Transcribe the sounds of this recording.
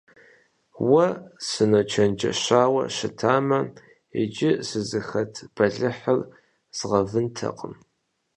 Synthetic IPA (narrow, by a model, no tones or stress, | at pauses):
wɐsɨnɐt͡ʃʰɐnd͡ʒɐ̰ɕaːwɐ̰ɕɪtʰaːmɐ | ḛd͡ʒɪsɨzɨxɐtʰb̥ɐɮɨħər | z̥ʁɐvɨntʰɐ̰qʼəm